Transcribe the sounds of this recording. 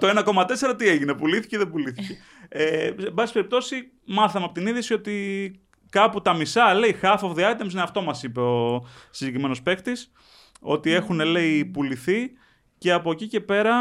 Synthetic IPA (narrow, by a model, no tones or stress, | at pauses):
t̪oe̞nɐko̞mɐt̪e̞se̞ɾɐt̪ie̞ʝine̞puliθi̥ceðebuliθice | eebɐsi̥pe̞ɾip̚t̪o̞si | mɐθɐmeɐpot̪iniðjisio̞t̪i | kɐput̪ɐmisɐle̞ixɐfovðiɐt̪emsineɐft̪o̞mɐsipe̞o̞siɲɟekɾime̞no̞spe̞kt̪is | o̞̰t̪ie̞xune̞le̞ipuliθi | ce̞ɐpocice̞pe̞ɾɐ